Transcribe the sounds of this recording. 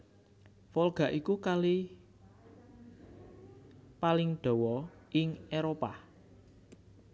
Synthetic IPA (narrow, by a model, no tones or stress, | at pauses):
folɡ̥ä̤ʔikukali | palɪŋɖ̥ɔ̤wɔɪŋeɾopa